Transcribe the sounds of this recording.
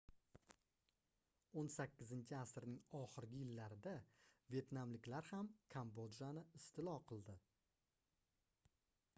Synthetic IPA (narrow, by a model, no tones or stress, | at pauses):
onsakʲːɪzɪnt͡ʃʰɪasɾnɪŋɒχɨɾɡʲɪjɪlːaɾɪd̪ave̞t̪namlɪkʲlaɾhamkʰambod̪ʒanɪɪst̪ʰɪlˠɒqʰɨlˠd̪ɪ